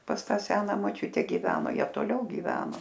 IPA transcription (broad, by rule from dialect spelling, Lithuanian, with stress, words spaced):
pɐs ˈtɑː ˈsʲæːnɐ moːˈt͡ʃʲʊtʲɛ ɡʲɪˈʋʲæːnoː ˈjiɛ toːˈlʲɛʊ ɡʲiːˈʋʲæːnoː